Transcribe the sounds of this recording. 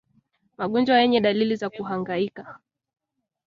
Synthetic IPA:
maɠɔnd͡ʒwajɛɲɛɗalilizakuɦaŋɡaika

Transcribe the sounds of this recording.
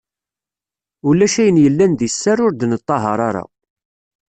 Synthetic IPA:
ulːæʃæjənjəlːænðisːæɾʊɾd̪nət̪ˤːɑɦɑɾˤɑɾˤa̰

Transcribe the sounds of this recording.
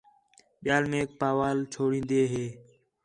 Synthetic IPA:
ɓɪjaːlmẽːk̚paːʋaːlt͡ʃʰoːɽĩːnd̪eːɦeː

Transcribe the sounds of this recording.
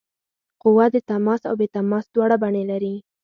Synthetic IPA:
qʊwad̪ət̪amɑsa̰wbet̪amɑsd̪wɑɽabaɳelaɾi

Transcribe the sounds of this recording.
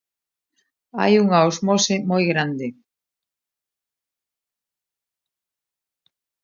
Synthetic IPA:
a̰juŋaozmosemojɣɾand̪e

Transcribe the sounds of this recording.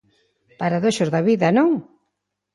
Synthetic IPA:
paɾaðoʃozðɐβiðɐnoŋ

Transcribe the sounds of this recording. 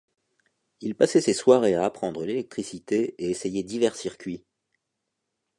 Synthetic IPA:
ilpasɛseswaʁeaːpχɑ̃d̪ʁəlelɛk̚t̪χisit̪eeesejɛd̪ivɛʁsiʁkʲɥi

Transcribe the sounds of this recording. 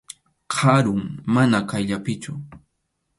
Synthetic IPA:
qʰɑɾʊŋmanakajʎapɪt͡ʃʊ

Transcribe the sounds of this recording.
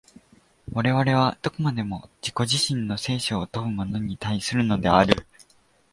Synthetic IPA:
βaɾe̞β̞aɾe̞β̞ad̪̥o̞komad̪e̞mo̞d͡ʑiko̞ʑiɕĩnːo̞se̞ːɕoːt̪oɯ̟mo̞no̞ɲ̟it̪aisɨɾɯ̟no̞d̪e̞aɾɯ̟

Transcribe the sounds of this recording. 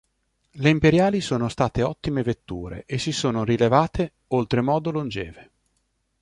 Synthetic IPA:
leimpeɾjaːlisoːnost̪aːt̪eɔt̪ːimevet̪ːṵːɾḛʔesːisoːnorilevaːt̪ʰe | olt̪ɾemɔːd̪olond͡ʒɛːve

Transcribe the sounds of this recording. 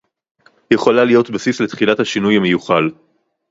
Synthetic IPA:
jeχo̞lalijo̞t̪basisle̞t̪χilathaʃinujhamejuχal

